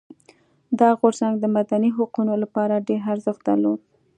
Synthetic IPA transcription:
d̪ɑɣoɾzaŋɡd̪əmad̪aniɦaqunolapɑɾaɖeɾaɾzəxt̪̚d̪aɾlod̪̚

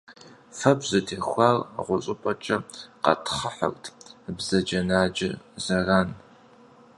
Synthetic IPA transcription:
fɐpzɨtʰeːxʷɑːrʁʷʊɕʼɪpʼɐt͡ʃʼɐqɐ̰tʰχəħə̰kʷʼtʰbzɐd͡ʒɐnaːd͡ʒɪzɐraːn

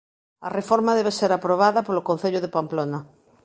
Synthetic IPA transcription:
arefoɾmaðeβeseɾapɾoβ̞aðapolokõn̟θeʎʊðepamplona

